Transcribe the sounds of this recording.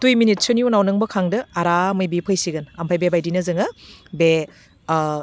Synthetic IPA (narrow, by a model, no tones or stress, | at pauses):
tujminit̚sɯniunawnɯŋbɐkʰaŋdɐaɾamɯjbipʰɯjsiɡɯnampʰajbebajdinɐzɯŋɐbe